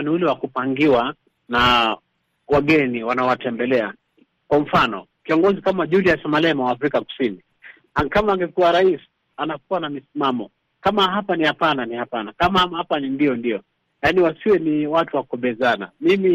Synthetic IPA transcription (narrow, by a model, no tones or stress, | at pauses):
niulɛwakupaŋɡiwa | na | waɠɛniwanaɔwatɛmbɛlɛa | kwam̩fanɔ | kiɔŋɡɔzikamaʄudiasamalɛmawaːfɾikaku̥sini | akamaːŋɡɛkuwaɾais | anak̚uwanamisimamɔ | kamaɦapanihapananihapanakamahhapanindiɔndijɔ | janiwasiwɛniwatuwakɔɓɛzana̰mimi